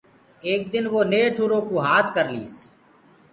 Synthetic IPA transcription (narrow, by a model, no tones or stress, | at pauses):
eːk̚d̪ɪnʋoːneːʈʰuːɾõːkoːɦaːt̪ʰkəɾliːs